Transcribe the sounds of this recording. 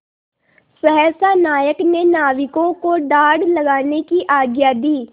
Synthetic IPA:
sɛɦɛːsanaːjəknenaːʋɪkõkoɖaːɽlɐɡaːnekiʔaːɡjad̪iː

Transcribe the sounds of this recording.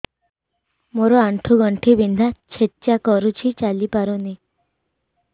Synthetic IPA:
moɾɔaɳʈʰuɡɔɳʈʰibind̪ʱat͡ʃʰett͡ʃakɔɾut͡ʃʰit͡ʃalipaɾuni

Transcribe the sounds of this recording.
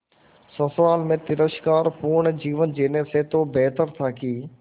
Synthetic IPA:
sə̃sʋaːlmẽːt̪ɪɾəʃkaːɾpuːɳ̃d͡ʑiːʋənd͡ʑeːneset̪oːbɛːt̪əɾt̪ʰaːkiː

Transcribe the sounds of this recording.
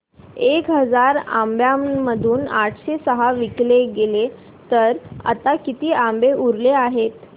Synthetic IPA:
ekɦəd͡zaɾa̰mbjaməd̪ʱuːnaʈʰɕesəɦaʋikleɡele | t̪əɾa̰t̪akit̪iːambeʔuɾleaɦet̪

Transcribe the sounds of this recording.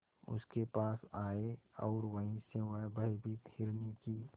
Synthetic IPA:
ʊ̰skepaːsaːeɔːɾʋəɦĩsẽʋəɦbəibʱit̪ʰɪɾniki

